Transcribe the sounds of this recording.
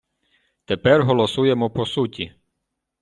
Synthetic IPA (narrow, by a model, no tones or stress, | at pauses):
t̪epɛrɦɔlˠɔsujemɔpɔsutʲi